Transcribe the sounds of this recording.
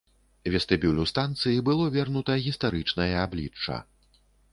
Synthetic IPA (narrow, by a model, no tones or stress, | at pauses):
vʲɛst̪ɨbʲulʲust̪ant̪sɨjibɨlˠɔvʲɛrnut̪ɐɣʲist̪aɾɨt͡ʂnɐjɐablʲit͡ʂːɐ̰